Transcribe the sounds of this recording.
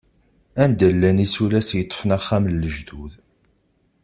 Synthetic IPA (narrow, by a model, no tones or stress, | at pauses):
ænd̪əlːænisulæsjət̪ˤːo̥fnæχːæmlːəʒðuð